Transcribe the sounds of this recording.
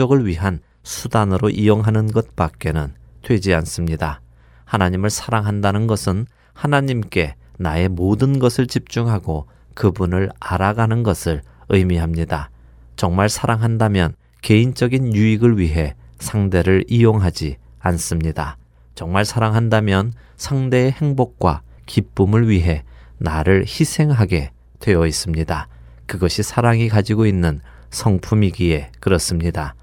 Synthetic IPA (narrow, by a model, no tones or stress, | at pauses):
ʌɡɯɭɥiɦan | sʰudanɯɾoʔijoŋɦanɯnɡʌt̚p͈ak̚k͈e̞nɯn | tʰwe̞d͡ʑians͈ɯmɲida | hanaɲimɯɭsʰaɾaŋɦandanɯnɡʌsʰɯn | hanaɲimk͈e̞ | nae̞modɯnɡʌsʰɯɭt͡ɕip̚t͡ɕ͈uŋɦaɡo | kɯbunɯɭaɾaɡanɯnɡʌsʰɯɭ | ɯjmiɦamɲida | t͡ɕʌŋmaɭsʰaɾaŋɦandamjʌn | ke̞int͡ɕ͈ʌɡinjuiɡɯɭɥiɦe̞sʰaŋde̞ɾɯɭijoŋɦad͡ʑi | ans͈ɯmɲida | t͡ɕʌŋmaɭsʰaɾaŋɦandamjʌn | sʰaŋde̞ːhe̞ŋbok̚k͈wa̰ | kip͈umɯɭɥiɦe̞naɾɯɭçisʰe̞ŋɦaɡe̞ | twe̞jʌis͈ɯmɲida | kɯɡʌɕʰisʰaɾaŋikad͡ʑiɡoinːɯn | sʰʌŋpʰumiɡie̞kɯɾʌs͈ɯmɲida